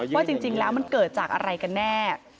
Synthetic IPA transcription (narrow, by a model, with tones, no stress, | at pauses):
waː˥˩t͡ɕi˧ŋt͡ɕi˧ŋlɛː˦˥wma˧˨nkɤː˨˩t̪̚t͡ɕaː˨˩k̚ʔa̰˧ɾa˧jka˧nːɛː˥˩